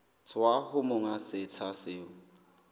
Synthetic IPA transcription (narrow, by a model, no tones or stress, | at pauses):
t͡sʰwahʊmʊŋasɪt͡sʰasɪːʊ